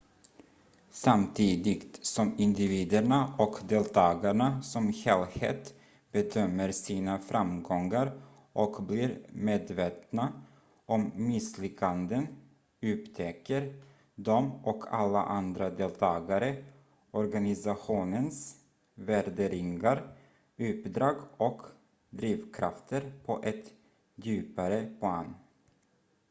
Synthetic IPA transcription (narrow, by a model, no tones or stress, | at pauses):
samt̪ʰiːd̪ɪɡt̪sɔmɪnd̪ɪviːd̪əɳaʔɔkd̪eːlt̪ʰɑːɡaɳasɔmhɛːlhḛːt̪ | b̥ɛd̪œmːəɾsiːnafɾʔamɡɔŋːaɾ | ʔɔkbliːɾmeːd̪veːt̪na | ʔɔmːɪslʏkʰːand̪ən | ʉ̟ːpt̪ʰɛkːəɾ | d̪ɔmɔkʰa̰lːa̰ʔand̪ɾad̪eːlt̪ʰɑːɡaɾə | ʔɔɾɡanɪsaɧuːnəns | væɾɖ̪əɾɪŋɡaɾ | ʉ̟ːpd̪ɾɑːɡɔk | d̪ɾiːvkʰɾaft̪ʰəɾpʰɔʔɛt̪ | d̪ʉːpaɾəpʰlɑːn